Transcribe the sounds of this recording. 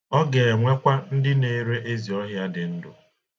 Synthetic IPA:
ɔ˦ɡe˨e˨ŋʷe˦kʷa˦n̩˦dɪ˦ne˨˦ɾe˦ʔe˦zi˨ɔ˦ɦja˦dɪ˨n̩˦dʊ̰˨

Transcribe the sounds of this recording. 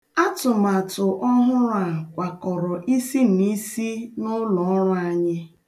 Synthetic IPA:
a˦tʊ˨ma˨tʊ˨ʔɔ˦ɦʊ˦ɾa˨kʷa˨kɔ˨ɾɔ˨ʔi˦si˦n̩˨i˦si˦nʊ˦lɔ˨ɔ˦ɾʊ˦a˦ɲɪ˦

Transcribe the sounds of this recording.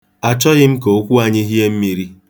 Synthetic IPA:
a˨t͡ʃɔ˦ɣɪ˦m̩˦ko˨o˦kʷu˦a˨ɲɪ˦ɦi˦e˦m̩˦mi˨ɾi˦

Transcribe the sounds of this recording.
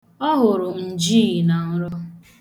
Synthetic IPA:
ɔ˦ɦʊ˨ɾʊ˨n̩˨d͡ʒi˦˨na˨n̩˦ɾɔ˦

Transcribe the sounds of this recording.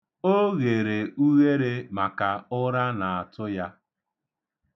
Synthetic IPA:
o˦ɣe˨ɾe˨u˦ɣe˦ɾe˦ma˨ka˨ʊ˦ɾa˦na˨a˨tʊ˦ja˦

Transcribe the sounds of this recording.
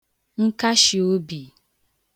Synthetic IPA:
ŋ̩˦ka˦ʃi˨o˦bi˨

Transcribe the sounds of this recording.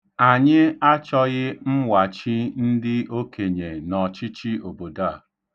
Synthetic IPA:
a˨ɲɪ˦a˦t͡ʃɔ˦ɣɪ˦m̩˦wa˨t͡ʃi˦n̩˦dɪ˦ʔo˦kʰe˨ɲe˨nɔ˨t͡ʃi˦t͡ʃi˦o˨bo˨da˦a˦˨

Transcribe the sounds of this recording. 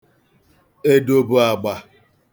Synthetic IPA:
e˦do˦bʊ˦a˨ɡ͡ba˨

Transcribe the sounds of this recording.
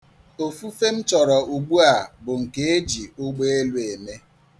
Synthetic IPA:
o˨fu˦fe˦m̩˦t͡ʃɔ˨ɾɔ˨u˨ɡ͡bu˦a˨bʊ˨ŋ̩˨ke˨e˦d͡ʒi˨ʊ˦ɡ͡be˦e˦lu˦e˨me˦

